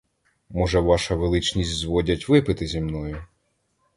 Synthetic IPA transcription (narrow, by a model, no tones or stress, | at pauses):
mɔʒɛʋɑʃɐʋelˠɪt͡ʃnʲisʲtʲzʋɔdʲɐtʲʋɪpɪt̪ɪzʲimnɔjʊ